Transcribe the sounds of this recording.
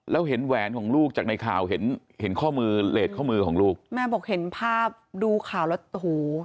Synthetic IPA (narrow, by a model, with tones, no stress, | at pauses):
lɛː˦˥wɦe˩˦nwɛː˩˦nkʰɔː˩˦ŋluː˥˩k̚t͡ɕaː˨˩k̚na˧jkʰaː˨˩wɦe˩˦n | he˩˦nkʰɔː˥˩mɯː˧leː˨˩t̪̚kʰɔː˥˩mɯː˧kʰɔː˩˦ŋluː˥˩k̚mɛː˦˥˩bɔː˨˩k̚he˩˦npʰaː˥˩p̚duː˧kʰaː˨˩wlɛ˧˥huː˨˩